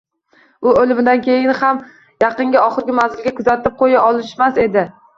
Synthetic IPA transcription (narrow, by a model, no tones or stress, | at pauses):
ʊolɪmɪd̪ankʲʰe̞jɪnham | jɑqɨŋɡʲaɒχɨɾɡʲɪmazɪlˠɡʲakʰʊzat̪ɪp̚qʰojaʔɒlˠɪʃmase̞d̪ɪ